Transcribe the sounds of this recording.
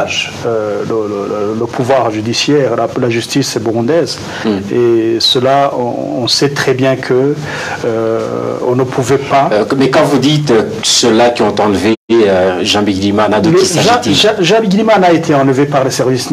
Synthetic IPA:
ʒ | ølələlləpʰuvwaʁʒyd̪isjɛːʁlalaʒyst̪isɛbuʁɔ̃d̪ɛːz | esəlaɔ̰̃ɔ̃sɛt̪χɛbjɛ̃kʰə | ɔ̰̃nəpʰuvɛpamɛkɑ̃vud̪it̪ø | səlakʲiɔ̃t̪ɑ̃lveøʒɑ̃biɡnimanad̪əliaʒ̃t̪ĩʒɑ̃biɡʲnimanaet̪ʰeɑ̃ləvepaʁlesɛʁvis

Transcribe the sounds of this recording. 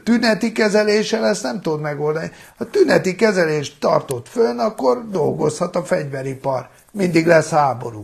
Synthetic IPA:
t̪ynɛt̪ikɛzɛleːʃɛlɛsnɛmt̪ud̪mɛɡoːld̪ɒnihɒt̪ynɛt̪ikɛzɛleːʃt̪ːɒ̰rt̪o̞t̪fønɒkːord̪o̞̰lɡo̞̰shɒt̪ɒfɛɟʋɛɾipɒ̰r | mind̪iɡlɛshaːbo̞̰ɾṵː

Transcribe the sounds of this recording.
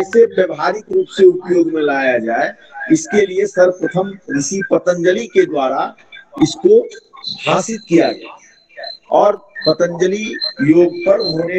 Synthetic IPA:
sebjəbɦaːɾɪkɾuːpseʊpjoːɡmẽlaːjad͡ʒaːe | ɪskeliesɐɾpɾət̪ʰəmɾɪsipət̪ə̃nd͡ʒəliked̪waːɾa | ɪskobʱaːsɪt̪kijad͡ʒa̰ːe | ɔːɾpət̪ə̃nd͡ʒəlijoːɡpəɾɦoːne

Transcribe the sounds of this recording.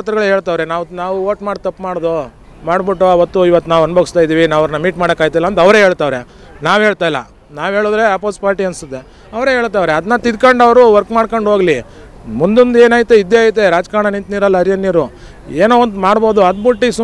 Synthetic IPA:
t̪ɾɐɡɐɭɦe̞ːɭt̪aːʋɾenaːʋnaːʋuoːʈmaːɽt̪ɐpːmaːɽd̪o | maːɽbiʈːoɐʋɐt̪ːuiʋɐt̪ːunaːʋɐnboɡust̪aːjd̪iːʋinaːʋɐɾnɐmiːʈmaːɽɐkaːɡjt̪ajlːɐnt̪ɐʋɾeɦeːɭt̪aːʋɾe | naːʋɦe̞ːɭt̪aːjilːɐ̰ | naːʋɦe̞ːɭud̪ɾe̞aːpospaːɾʈiɐnsud̪ːe | ɐʋɐɾeɦeːɭt̪aːʋɾeɐd̪ɐnːɐt̪id̪kɐɳɖɐʋɾuʋɐɾkmaːɽkoɳɖɦoːɡli | mund̪ond̪eːnaːjt̪ːuid̪ːeaːjt̪̬ːeɾaːd͡ʒkaːɳɐnint̪niːɾɐlːɐɐɾijɐnːiːɾu | eːnoːɐnd̪maːɽboːd̪uɐd̪̚buʈːisu

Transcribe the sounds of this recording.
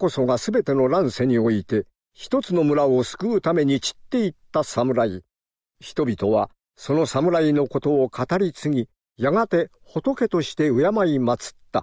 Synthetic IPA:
ko̞so̞ɡasɨbe̞t̪e̞no̞ɾãɰ̃se̞ɲ̟io̞it̪e̞ | çi̥t̪o̞t͡sɨno̞mɯ̟ɾao̞sɨ̥kɯ̟ːt̪ame̞ɲ̟it͡ɕi̥t̪ːe̞it̪ːasamɯ̟ɾai | çi̥t̪o̞bʲit̪o̞βa | so̞no̞samɯ̟ɾaino̞ko̞t̪o̞ːkʰat̪aɾʲisɨŋʲi | jaɡat̪e̞ | ho̞t̪o̞ke̞t̪o̞ɕi̥t̪e̞ɯ̟jamaimat͡sɨ̥t̪ːa̰

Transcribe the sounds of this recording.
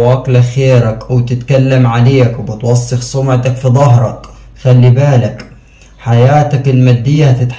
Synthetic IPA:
aːklaxeːɾakwɪt̪ɪt̪kalːamʕaleːkwbɪt̪wɑsˤːɨxsˤʊmʕt̪akfid̪ˤɑɦɾˤɑk | xalːibaːlak | ħajaːt̪akɪlmad̪ːɪjːaht̪ɪt̪ħ

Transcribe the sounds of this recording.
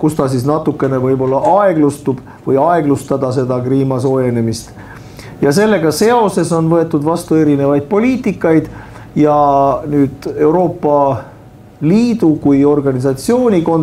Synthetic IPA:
kust̪ɑsisnɑt̪ːˑukːˑe̞ne̞vɤjbo̞lːɑʔɑe̞ɡ̥lust̪ub̥ | vɤjɑeɡ̥lust̪ɑd̪̥ɑse̞d̪̥ɑkriːmɑso̞ːje̞ne̞mist̪ | jɑse̞lːe̞ɡ̥ɑse̞o̞se̞so̞nvɤ̞e̞t̪ːˑud̪vɑst̪ue̞ɾine̞vɑjd̪̥̚po̞lʲiːt̪ˑikːˑɑjd̪̥ | jɑnyːd̪̥e̞wɾo̞ːpːɑ | liːd̪̥ukujo̞rɡ̥ɑnisɑt̪sio̞ːnʲiko̞n

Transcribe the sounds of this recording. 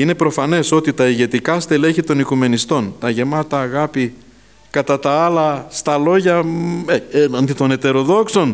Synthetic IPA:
ine̞pɾo̞fɐne̞so̞t̪it̪ɐiʝe̞t̪ikɐst̪ele̞çit̪o̞nikume̞nist̪o̞nt̪ɐʝe̞mɐt̪ɐːɣɐpi | kɐt̪ɐt̪ɐɐlɐst̪ɐlo̞ʝɐeenɐnd̪it̪o̞ne̞t̪e̞ɾo̞ðo̞kso̞n

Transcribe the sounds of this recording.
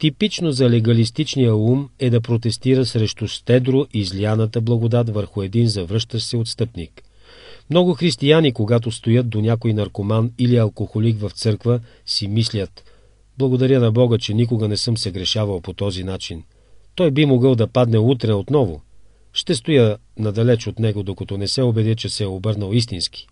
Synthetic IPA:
t̪ipit͡ʃnozɐlɛɡɐlist̪it͡ʃnijəumɛd̪ɐpɾot̪ɛst̪iɾəsɾɛʃt̪ost̪ɛd̪ɾoʔizlianət̪əblˠɐɡod̪at̪vəɾxʊɛd̪inzɐvɾɤʃt̪əʃsɛot̪st̪ɤpnik | mnɔɡʊxɾist̪ijanikoɡat̪̬ost̪ojət̪̚d̪onʲjakoinɐɾkomaniliɐlˠkoxolikvɐft̪sɤɾkvə | simislʲət̪ | blˠɐɡod̪ɐɾʲjənɐbɔɡət͡ʃɛnik̬oɡənɛsɤmsəɡɾɛʃavɐlˠpot̪ɔzinat͡ʃin | t̪ɔjbimoɡəlˠd̪ɐpad̪nɛut̪ɾɛot̪nɔvo̰ | ʃt̪ɛst̪ojənɐd̪ɐlɛt͡ʃot̪nɛɡod̪okɐt̪ɔnɛsɛobɛd̪ət͡ʃɛsɛɛobɤɾnəlˠist̪inski̥

